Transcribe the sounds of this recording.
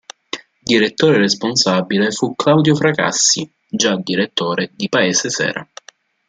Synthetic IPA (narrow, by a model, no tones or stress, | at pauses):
d̪iɾet̪ːoːɾeɾesponsabilefukːlawd̪jofɾaka̰sːi | d͡ʒad̪iɾet̪ːoːɾed̪ipaeːsesɛ̰ːɾa̰